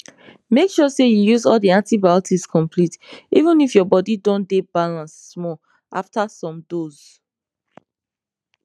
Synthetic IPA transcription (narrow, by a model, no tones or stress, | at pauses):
mekʃɔsejujuzɔldiãntibaʊtʰiskʰɔ̃mpʰlitivũnifjɔbɔdidõndebalãns | mɔ | ʔaftasɔ̃mdoz̥